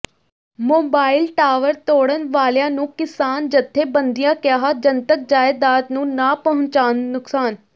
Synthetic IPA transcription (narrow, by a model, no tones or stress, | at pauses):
moːbaːɪlʈaːʋəɾt̪oːɽənʋaːljãːnũːkɪsaːnd͡ʒət̪ʰːeːbənd̪ijãːkjaːɦad͡ʒənt̪ək̚d͡ʒaːjd̪aːt̪nũːnaːpəɦʊ̃ɲt͡ʃaːnːʊksaːn